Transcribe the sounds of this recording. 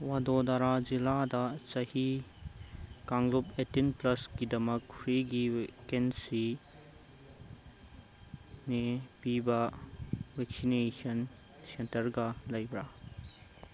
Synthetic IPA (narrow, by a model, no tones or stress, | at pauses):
wad̪od̪aɾaziladɐsɐhi | kaŋɡlupetinplɐskid̪ɐmɐkpʰɾiɡikensi | nepibɐ | weksinesɐn | sentɐɾɡɐlɐjbɾa